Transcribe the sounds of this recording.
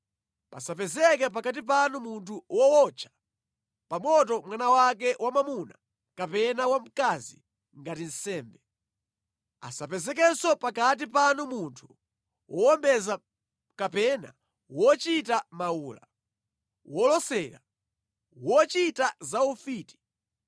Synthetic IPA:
pa̰sapɛzɛkɛpakat̬ip̬anumuntʰuwɔwɔt͡ʃʰḁ | pamɔtɔmwanawak̬ɛwamamuna | kapɛnawam̩kazḭ | ŋɡatin̩sɛːmbɛ | a̰sapɛzɛk̬ɛsɔpakat̬ipanumuntʰu̥ | wʔɔɔmbɛza | kapɛna | wɔt͡ʃitamauːla̰ | wʔɔlɔsɛɾa̰ | wɔt͡ʃitazaufiːti̥

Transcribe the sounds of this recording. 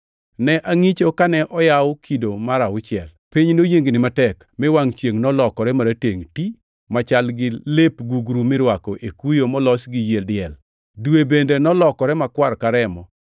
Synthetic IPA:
nɛʔaŋit͡ʃokanɛʔɔjawʊkʰidomaɾaʊt͡ʃɪɛlpiɲnojeŋɡnɪmatɛk | mɪwaŋt͡ʃjeŋnɔlɔkɔɾɛmaɾateŋti | mat͡ʃalɡɪlepɡuɡɾumɪɾwakɔʔekujomɔlɔsɡɪjeldɪɛl | dwebendenɔlɔkɔɾɛmakwaɾkaɾɛmɔ

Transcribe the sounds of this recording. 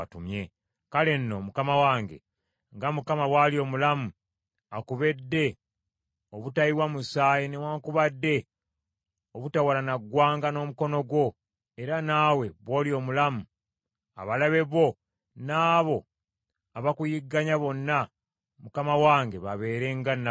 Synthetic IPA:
tumje̞ | kale̞nːo̞mukamawaːŋɡe̞̰ | ŋɡamukamawalio̞ːmulamu | akuβe̞dːe̞ | oβutajiwamusaːjenewaːŋkuβadːe̞ | oβutawalanaɡːwaːŋɡano̞ːmuko̞no̞ɡwo̞ | e̞ɾanaːwe̞βwoːlio̞ːmulamu | a̰βalaβe̞βo̞ | naːβo̞ | aβakujiɡːaɲaβo̞nːa | mukamawaːŋɡe̞βaβe̞ːɾeŋɡan

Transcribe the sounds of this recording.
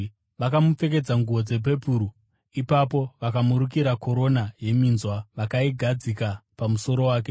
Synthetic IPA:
ʋakamup͡fe̞k̬e̞d͡zaŋɡuʋod͡ze̞p̬e̞puɾu | ipapo̞ʋakamuɾukiɾako̞ɾo̞naje̞minzwaʋakaiɡʱad͡zikapamuso̞ɾo̞waːk̬e

